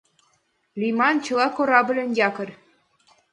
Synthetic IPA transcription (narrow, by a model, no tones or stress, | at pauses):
lʲimɑnt͡ɕɤ̆lˠɑkoɾɑbɤ̆lʲɘ̆njɑkɤ̆rʲ